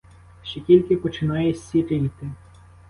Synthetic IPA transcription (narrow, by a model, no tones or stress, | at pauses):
ʃt͡ʃɛkʲilʲkɪpɔt͡ʃɪnɑjɛsʲiɾɾɪit̪ɪ